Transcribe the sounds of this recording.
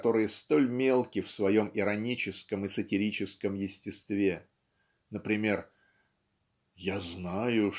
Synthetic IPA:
t̪o̞ɾɨjəst̪o̞lʲmʲe̞lˠkʲɪfsvɐjo̞mɪɾɐnʲit͡ɕɪskəmɨsətʲɪɾʲit͡ɕɪskəmjɪsʲtʲɪst̪vʲe̞ | nəpɾʲɪmʲe̞r | jaznajʊ

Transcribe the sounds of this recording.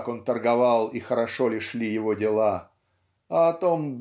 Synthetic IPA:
ko̞nt̪ərɡɐvɑlˠixəɾɐʂo̞lʲɪʂlʲijɪvodʲɪlˠa | ɐɐt̪o̞mb

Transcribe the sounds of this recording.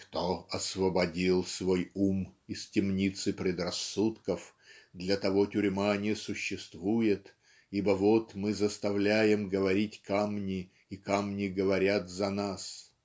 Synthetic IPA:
kt̪oɐsvəbɐdʲilˠsvojumɪstʲɪmnʲit̪sɨpɾʲɪd̪rɐsːut̪kəf | d̪lʲət̪ɐvo̞tʲʊɾʲmanʲɪjəsʊɕːɪst̪vujɪt̪ | ibəvot̪mɨzəst̪ɐvlʲæjɪmɡəvɐɾʲitʲkamnʲɪ | ikamnʲɪɡəvɐɾʲat̪zɐnas

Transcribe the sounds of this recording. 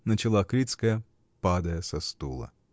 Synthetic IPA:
nət͡ɕɪlˠakɾʲit̪skəjə | pad̪əjəsɐst̪ulˠə̰

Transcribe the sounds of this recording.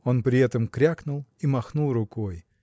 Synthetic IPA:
onpɾʲɪɛt̪əmkɾʲaknʊlˠimɐxnulˠrʊkoj

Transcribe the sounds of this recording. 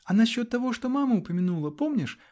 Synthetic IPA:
ɐnɐɕʲːɔt̪ːɐvɔʂt̪ɔmamɐʊpɐmʲɪnulˠɐpɔmnʲɪʂ

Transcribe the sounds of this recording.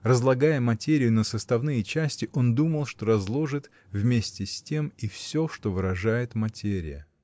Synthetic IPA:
rəzlˠɐɡajəmɐtʲeɾʲɪjʊnəsəst̪ɐvnɨjət͡ɕæsʲtʲɪʔo̞nd̪uməlˠʂt̪o̞ɾɐzlˠo̞ʐɨt̪ | vmʲesʲtʲɪsʲtʲe̞mifsʲo̞ʂt̪o̞vɨɾɐʐajɪt̪mɐtʲeɾʲɪ̰jə̰

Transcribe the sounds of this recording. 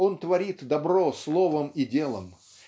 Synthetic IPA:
o̞nt̪vɐɾʲit̪d̪ɐbɾo̞slˠo̞vəmidʲe̞lˠəm

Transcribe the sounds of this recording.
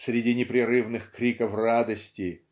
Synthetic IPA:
sʲɾʲɪdʲinʲɪpɾʲɪɾɨvnɨxkɾʲikəfrad̪əsʲtʲɪ

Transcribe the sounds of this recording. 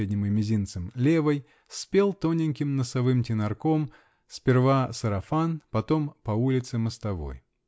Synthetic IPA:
edʲnʲɪmɨmʲɪzʲint̪sɨmlʲevəj | sʲpʲelˠt̪onʲɪnʲkʲɪmnəsɐvɨmtʲɪnɐrko̞m | sʲpʲɪrvasəɾɐfanpɐt̪o̞mpɐulʲɪt̪sɨməst̪ɐvo̞̰j

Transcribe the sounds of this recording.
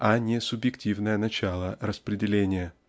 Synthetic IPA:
ɐnʲɪsʊbjɪktʲivnəjənɐt͡ɕalˠəɾəspɾʲɪdʲɪlʲenʲɪjə

